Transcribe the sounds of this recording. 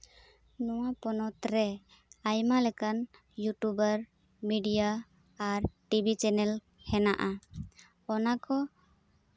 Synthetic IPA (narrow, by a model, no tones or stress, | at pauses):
nɔwapɔnɔt̪ɾɛ | ajmalɛkan | juʈubəɾ | miɖijaː | ɾʈibʱit͡ʃɛnɛl | hɛnaʔa | ɔnakɔ